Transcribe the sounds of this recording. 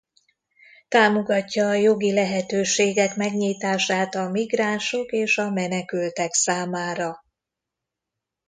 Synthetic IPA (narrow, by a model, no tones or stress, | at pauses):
t̪aːmo̞ɡɒcːɒːjo̞ɡilɛɦɛt̪øːʃeːɡɛkmɛɡɲiːt̪aːʃaːt̪ɒmiɡraːnʃo̞keːʃɒmɛnɛkylt̪ɛksaːmaːɾɒ